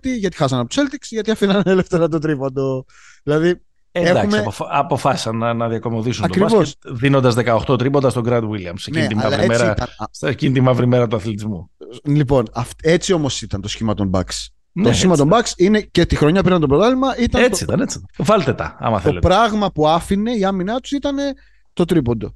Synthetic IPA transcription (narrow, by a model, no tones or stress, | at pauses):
t̪iʝɐt̪i̥xɐsɐnɐpot̪u̥se̞lt̪iksʝɐt̪iɐfinɐneleft̪eɾɐt̪ot̪ɾipond̪o̞ | ðilɐði | eeɐkxumsmeoɐpo̞fɐsi̥sɐnːɐnɐðiɐko̞mo̞ðisunɐokɾisvosðinond̪ɐzðekɐoxt̪o̞t̪ɾipond̪ɐst̪oɡɾɐd̪wiliɐmseneimɐɐlɾiemeɾɐt̪ɐnscint̪imɐvɾime̞ɾɐt̪uɐθlit̪izmulipo̞nɐft̪e̞t͡sio̞mo̞sit̪ɐnt̪o̞sçimɐt̪o̞mbɐ̰ks | nt̪ossçimɐt̪ombɐksine̞cet̪ixɾo̞ɲɐpɾinɐnt̪oɾot̪ɐlimɐʔit̪ɐet͡s̪iit̪ɐnet͡sit̪vɐlt̪et̪ɐ̰ɐ̰mɐ̰θolet̪pɾɐɣmɐpuɐfine̞iɐminɐt̪u̥sit̪ɐne̞ | t̪o̞t̪ɾipo̞nd̪o̞